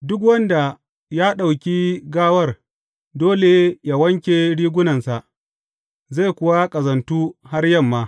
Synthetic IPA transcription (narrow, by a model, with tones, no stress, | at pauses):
dʊ˦k̬wɐ˦nda˨ | jaː˦ɗa˨wkʲiː˦ɡaː˦wɐ˦˨r | doː˦le˨ja˦wɐ˦ŋkʲe˨ɽiː˦ɡʷʊ˦nɐ˨nsa˨ʔ | za˦˨jkʷʊ˨wa˦kʼɐ˨zɐ˨ntuː˦ha˦rjɐ˦˨mːaː˦